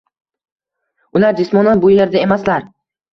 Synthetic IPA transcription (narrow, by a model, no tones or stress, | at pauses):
ʊlaɾd͡ʒɪsmɒnanbʊje̞ɾd̪ae̞maslaɾ